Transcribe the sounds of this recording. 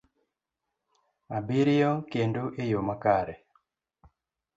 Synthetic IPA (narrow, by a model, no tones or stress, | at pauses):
abiɾɪjokendoʔejomakaɾɛ